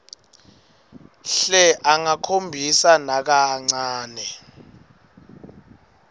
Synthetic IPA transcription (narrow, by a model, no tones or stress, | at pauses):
ɬɛʔaŋakʰombʱisanak̬aŋ͡ǀaːnɛ